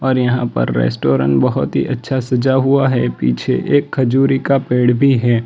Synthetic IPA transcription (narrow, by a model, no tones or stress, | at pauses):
ɔːɾjɐɦãpɐ̰ɾːɛ̰ːsʈoːɾə̰̃ɳʈbɐɦʊt̪ɦḭʔɐtːʃʰasɐd͡ʒaɦʊaɦɛpḭːt͡ʃʰḛʔeːkʰːɐd͡ʒuːɾikapeːɽbʱiɦɛː